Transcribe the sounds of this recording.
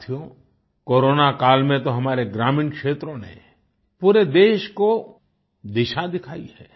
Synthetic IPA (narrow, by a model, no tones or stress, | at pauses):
t̪ʰijo | koːɾoːnakaːlmẽt̪oɦɐmaːɾeɡɾaːmɪ̃nkʃeːt̪ɾõnḛ | puːɾed̪eːʃko | d̪ɪʃad̪ɪkʰaːḭɦɛ̰